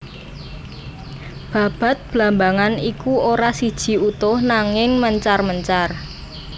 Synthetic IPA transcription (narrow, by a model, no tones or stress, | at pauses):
b̥ä̤b̥a̤t̪̚b̥lambaŋanikuʔoɾasid̥ʒ̥i̤ut̪ʊhnaŋɪŋməɲt͡ʃarməɲt͡ʃar